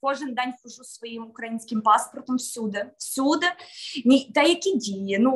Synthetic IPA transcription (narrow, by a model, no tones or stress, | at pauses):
koʐɨnd̪anʲxʊʐusvɐjimʊkɾɐjinskʲɪmpaspərt̪əmfsʲud̪ɐfsʲud̪ənʲit̪ajɐkʲidʲeɪnu